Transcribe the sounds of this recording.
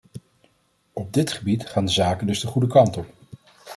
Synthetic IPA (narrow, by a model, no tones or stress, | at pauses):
ɔb̚dɪtχəbitχaːndəzaːkəndɵzdəχudəkɑntɔp